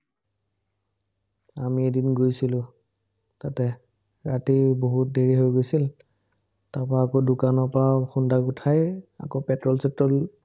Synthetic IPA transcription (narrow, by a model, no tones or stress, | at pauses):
amiedinɡojsilʊ̃ | tatɛ | ɹatiboɦut̚deɹiɦojɡojsil | taɹpɹaːkodʊkanɔɹpɹaxundakʊtʰaja̰kopɛtɹɔlsɛtɹɔl